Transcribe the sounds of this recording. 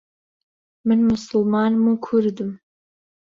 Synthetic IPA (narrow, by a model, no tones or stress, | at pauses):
mɨnmʊsɨlmɑːnmuːkʰʊɾd̪ɨm